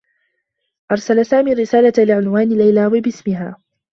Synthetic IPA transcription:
ʔɑɾˤsalasaːmiːɾːɪsaːlalɪʕʊnwaːnɪlajlaːwɪbɪsmɪɦaː

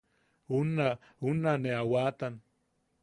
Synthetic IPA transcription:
una | unaneawaːt̪an

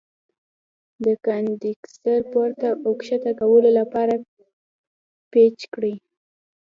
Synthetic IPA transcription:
d̪əkand̪iksaɾpoɾt̪aʔokʃat̪akawəlolapɑɾa | pet͡ʃkɽi

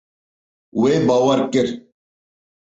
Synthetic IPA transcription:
webɐwɐɾkɪɾ

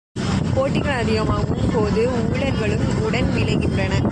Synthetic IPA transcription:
poːʈːɪɣɐɭɐðɪɣɐmaːɣɯmpoːðɯuːɭɐɾɣɐɭɯkːɯʊɽɐnʋɪlɐɪɣɪndrɐnɐ

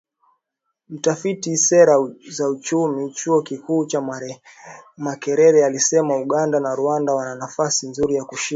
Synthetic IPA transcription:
m̩tafitisɛɾazaut͡ʃumit͡ʃuɔkikuːt͡ʃa | makɛɾɛɾɛalisɛmauɠandanaɾuandawananafasinzuɾijakuʃi

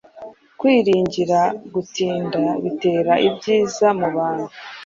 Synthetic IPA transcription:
kwiːɾiːɲɟiɾaɡutiːndaβite̞ːɾaʔibɟiːzamuβaːn̥hu

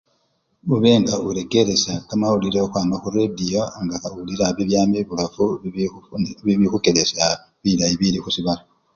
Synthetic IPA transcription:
uβe̞ːŋɡauɾe̞ɡe̞ɾesakamawuliɾexwaːmaxuɾedijo̞ŋɡaauliɾaβiβjaːmiβulafu | βiβixukeɾesa | βiɾajiβiɾixusiβala

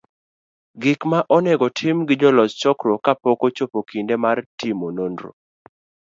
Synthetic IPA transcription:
ɡɪkmaʔɔnɛɡɔtʰɪmɡɪd͡ʒɔlɔst͡ʃɔkɾɔkapɔkot͡ʃopokindemartʰimonondɾo̰

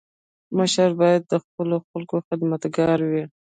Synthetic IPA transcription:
məʃaɾbɑjad̪̚ːəxpəloxalkoxɪd̪mat̪ɡɑɾwi

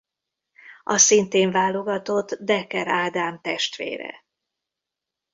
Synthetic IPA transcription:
ʔɒsint̪eːɱvaːlo̞ɡɒt̪o̞t̪ːd̪ɛkɛɾaːd̪aːmt̪ɛʃt̪ʋḛːɾɛ̰

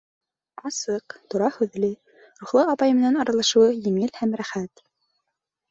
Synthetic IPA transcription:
ɑsɤqt̪uɾɑhɵ̆ðlɘ | ɾuχlˠɤɑpɑjmɘ̆nænɑɾɑlˠɑʃɤ̆wɤjɘ̆ŋɘlhæmɾæχæt̪

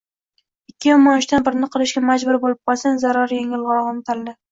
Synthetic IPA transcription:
ɪkʲːɪjɒmɒnɪʃt̪anbɪɾɪnɪqʰɨlˠɪʃɡʲamad͡ʒbʊɾbolɪp̚qʰɒlˠsanzaɾaɾjeŋɪlˠʁɒʁɑnt̪ʰald̪ɪ

